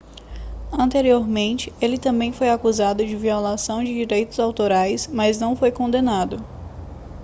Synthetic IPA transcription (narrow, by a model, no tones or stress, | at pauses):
ɐ̃nt̪eɾioɾmẽnt͡ʃɪelɪt̪ɐ̃mbẽj̃fojakuzad̪ʊd͡ʒɪviolasɐ̃w̃d͡ʒɪd͡ʒiɾejt̪ʊzawt̪oɾajsmaznɐ̃w̃fojkõnd̪enad̪ʊ